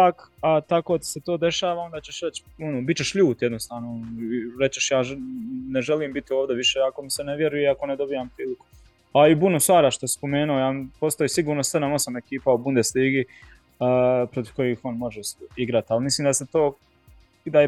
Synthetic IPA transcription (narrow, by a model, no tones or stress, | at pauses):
aːkat̪akot̪i̥set̪o̞ːd̪e̞ʃaːʋao̞nd̪at͡ɕe̞ʃɾe̞t͡ɕonobitt͡ɕe̞ʃʎuːt̪jed̪nost̪aːʋnoniɾe̞t͡ɕeʃjaːneʒeliːmbit̪io̞ːʋd̪eʋiʃeːako̞miseneʋjeɾujeiako̞ned̪o̞bijaːmpɾiːliku̥ | aibunusʋaːɾaʃt̪ospo̞me̞ːnuojaːmpo̞st̪ojisiɡuːɾnose̞d̪amo̞same̞kiːpaubund̪esliːɡi | pɾot̪iʋko̞jiːxonmo̞ʒesiɡɾat̪ialmisliːmd̪aset̪oː | d̪a